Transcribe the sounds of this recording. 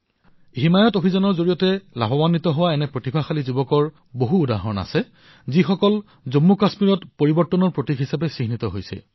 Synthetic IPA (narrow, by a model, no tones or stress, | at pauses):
ɦimajɔtobʱizɔnɔɹzoɹijɔtɛla̰bɔbanditɔɦʊwaɛnɛpɹotibʱaxalizubɔkɔɹ | boɦuːdaɦɔna̰sɛ | zixɔkɔl | zomːukasmiɹɔtpoɹibɔɹtːɔnɔɹpɹotikɦisapɛsixnitɔɦojsɛ̰